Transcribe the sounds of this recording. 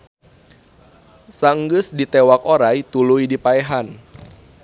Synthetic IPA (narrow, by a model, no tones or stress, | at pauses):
saŋɡɨsdit̪ewak̚oɾajt̪ulujdipaeɦan